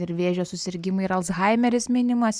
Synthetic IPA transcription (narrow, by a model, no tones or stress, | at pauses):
ɪɾʋʲeːʒʲoːsʊsʲɪɾʲɡʲɪmʊɪɪɾɐlˠsɣɐɪmʲɛɾʲɪsmʲiːnʲɪmɐsʲ